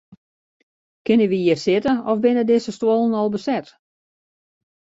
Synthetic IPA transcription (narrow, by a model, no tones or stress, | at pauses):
kɪnəʋiiərsɪtəɔfbɪnədɪsəstwolˠənɔlˠbəsɛt